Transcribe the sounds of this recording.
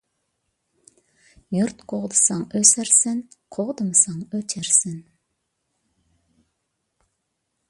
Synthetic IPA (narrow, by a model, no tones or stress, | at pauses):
jʊɾt̪qʰoʁd̪əsɑŋøsæɾsɪnqʰoʁd̪əmsɑŋøt͡ʃ̪ʰæɾsɪn